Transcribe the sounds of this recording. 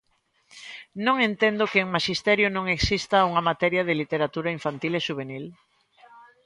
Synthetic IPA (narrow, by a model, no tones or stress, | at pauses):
nõŋẽnt̪ẽnd̪okeŋmaʃist̪ɛɾjonõŋeksist̪auŋamat̪ɛɾjaðelit̪eɾat̪uɾaiɱfant̪ileʃuβ̞enil